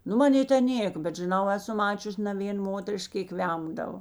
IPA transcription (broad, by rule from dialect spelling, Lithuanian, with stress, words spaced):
ˈnʊ mɐˈnʲeː tʲɛn ˈnʲeːk bʲɛt ʒʲɪˈnɐʊ ˈæːˌsʊ ˈmɑːt͡ʃʲʊsʲ nʲɛ ˈʋʲeːn ˈmoːtʲɛrʲɪʃk ˈkʲeːk ˈʋʲɛmdɐʋoː